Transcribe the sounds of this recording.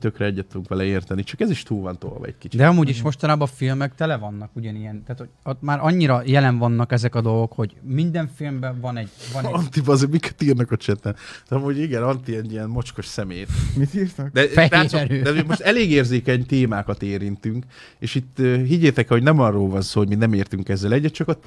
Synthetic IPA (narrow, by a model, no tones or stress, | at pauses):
t̪økɾɛɛɟːɛt̪ːuŋkʋɛlɛeːrt̪ɛnit͡ʃɒkɛziʃt̪uːlvɒnt̪o̰ːlʋɒ̰ɛ̰ɟki̥t͡ʃdd̪ɛɒmuːɟiʃmo̞ʃt̪ɒnaːbɒfilmɛkt̪ɛlɛvɒnːɒkuɟɒnijɛnt̪aːt̪hoɟot̪maːɾʔɒɲːiɾɒjɛlɛɱvɒnːɒkɛzɛkɒd̪o̞lɡo̞kho̞ɟmind̪ɛɱfilmbɛvɒnɛɟvɒnɒnt̪ibɒzemikɛ̥t̪iːrnɒkɒt͡ʃɛt̪ɛnɒmuːɟiɡɛnɒnt̪iɛɟijɛnmo̞t͡ʃko̞ʃsɛmeːt̪mit̪iːrt̪okd̪ɛlaesoɾøːd̪ɛmoʃt̪ɛleːɡeːrzeːkɛɲt̪eːmaːkɒt̪eːɾint̪yŋk | eːʃit̪ːøːɦiɟːeːt̪ɛkɛho̞ɟnɛmɒrːoːlvɒnsoːhoɟminɛmeːrt̪yŋkɛzːɛlɛɟːɛt̪t͡ʃɒkot̪